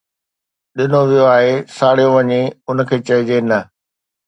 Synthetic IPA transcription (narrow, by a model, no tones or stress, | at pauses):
ɗɪnoʋijoaːɦesaːɽ̤ijoʋɐɲeʊnə̆kʰeːt͡ɕɐɪd͡ʑenɐ